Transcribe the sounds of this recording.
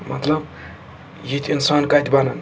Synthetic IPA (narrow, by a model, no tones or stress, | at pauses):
mɐt̪lɐb | jit̪ʰʲinsankat̪bɐnɐn